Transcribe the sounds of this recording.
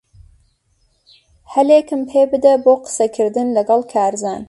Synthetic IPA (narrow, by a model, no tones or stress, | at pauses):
hɐleːkɨmpʰeːbɨd̪ɐboːqə̥sɐkʰɨɾd̪ɨnlɐɡɑlˠkʰaːɾzaːn